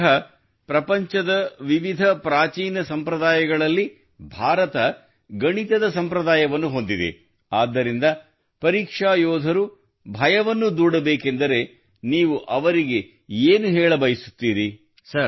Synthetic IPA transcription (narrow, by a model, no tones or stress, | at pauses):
ɦɐ | pɾɐpɐɲt͡ʃɐd̪ɐʋiʋid̪ʱɐpɾaːt͡ʃiːnɐsɐmpɾɐd̪aːjɐɡɐɭɐlːi | bʱaːɾɐt̪ɐ | ɡɐɳit̪ɐd̪ɐsɐmpɾɐd̪aːjɐʋɐnːuɦo̞nd̪id̪ḛ | aːd̪ːɐɾind̪ɐ | pɐɾiːkʂaːjɔːd̪ʱɐɾu | bʱɐjɐʋɐnːud̪uːɽɐbeːke̞nd̪ɐɾe̞ | niːʋuʔɐʋɐɾiɡe̞ | eːnuɦeːɭɐbɐjisu̥t̪ːiːɾi | sɐɾ